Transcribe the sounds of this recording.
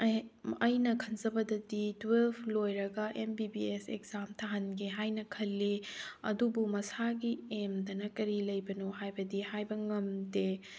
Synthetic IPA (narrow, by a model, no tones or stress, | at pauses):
ɐjnɐkʰɐnzɐbɐdɐditwelbʰlojɾɐɡɐʔembibiesekz̥amtʰaɦɐnɡeɦajnɐkʰɐlːeɐ̰dubumɐsaɡiemdɐnɐkɐɾilɐjbɐnohajbɐdihajbɐŋɐmde